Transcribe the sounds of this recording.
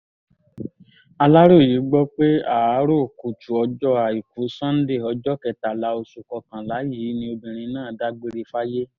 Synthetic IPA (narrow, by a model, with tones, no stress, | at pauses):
a˧la˦ɾo˦˨ji˨˦ɡ͡bɔ˦k͡pe˦a˨a˨˦ɾo˦˨ku˨tu˨ɔ˧d͡ʒɔ˦a˨i˨ku˨˦sã˦n̩˦de˦˨ɔ˧d͡ʒɔ˦kɛ˨ta˨la˨˦o˧su˨kɔ˧kã˨la˨˦ji˨˦nĩ˧o˧bĩ˨ɾ̃ĩ˧nãː˦˨da˦ɡ͡be˦ɾe˧fa˦je˦